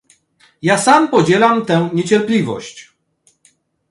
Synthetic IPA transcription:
jasampɔd͡ʑɛlamt̪ɛw̃ɲet͡ɕɛɾplʲivɔ̰ɕt͡ɕ

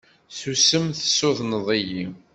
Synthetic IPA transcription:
θusəmθə̥sːʊðnəðˤiji

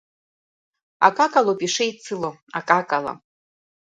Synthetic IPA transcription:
a̰kʼakʼalopʼiʂejt͡sʰɨloakʼakʼala̰

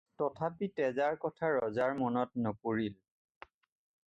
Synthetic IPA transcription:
tɔtʰapitɛzaɹkɔtʰaɹɔzaɹmɔnɔtnɔpoɹil

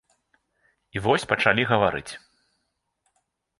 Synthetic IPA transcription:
ivɔsʲpɐt͡ʂalʲiɣɐvaɾɨ̰t͡sʲ

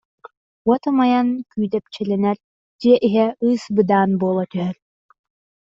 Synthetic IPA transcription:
wɔt̪ɯmajankyːd̪ɛp̚t͡ɕɛlʲɛnɛɾ | d͡ʒiɛʔiɦɛɯːsbɯd̪aːnboːlˠɐt̪œɦœɾ

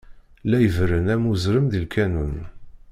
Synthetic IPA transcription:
læjəvɾənæmuzɾəmðilkænun

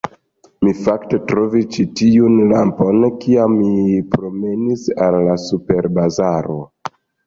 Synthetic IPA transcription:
mifakte̞tɾo̞vist͡ʃitiunlampo̞nkiamːipɾo̞me̞nisalːasupe̞ɾbazaɾo̞

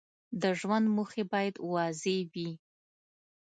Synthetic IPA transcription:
daʐmanmuχibaːjtʼwaːzejbi

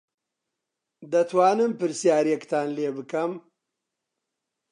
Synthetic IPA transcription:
d̪ɐt̪ʰwaːnɨmpɨɾsjaːɾiekt̪ʰaːnleːbɨkɐm

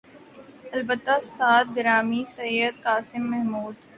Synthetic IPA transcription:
ɐlbət̪ːast̪ʰaːt̪ɡɾaːmisɐjəd̪̚kaːsɪmːɛɦmuːd̪

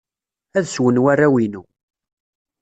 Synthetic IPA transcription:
æðswənwærːæwinu

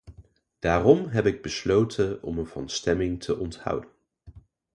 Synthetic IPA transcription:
d̥aːrɔmɦɛpɪɡ̚bəslowtʰənɔ̰mənvɑ̰nstɛmɪŋtʰəʔɔnthʌ̰wdən

